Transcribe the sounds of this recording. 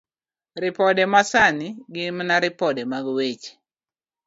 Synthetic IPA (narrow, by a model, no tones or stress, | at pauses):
ɾɪpɔdɛmasanɪɡɪmnaɾɪpɔdɛmaɡwet͡ʃ